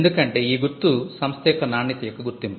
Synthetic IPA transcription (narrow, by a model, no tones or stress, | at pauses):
nd̪ukɐɳʈe̞ːiːɡuɾt̪ːusɐmst̪ɛːkɐnaːɳːit̪ɐjɐkːɐɡuɾt̪ːimpi